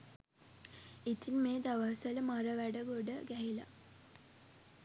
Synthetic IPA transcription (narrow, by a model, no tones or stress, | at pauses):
it̪ʰinmeːd̪aʋaɦsələmaɾəʋæɖəɡoɖəɡæɦila̰